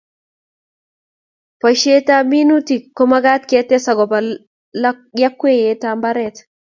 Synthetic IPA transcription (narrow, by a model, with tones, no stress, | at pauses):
pa˨ʃe˦t̪a˦mi˦nut̪i˨kːɔ˦ma˦ɡa˦t̪ket̪ːe˦sa˨ɡɔ˨ba | ja˦kːwe˦jet̪ambaɾɛt̪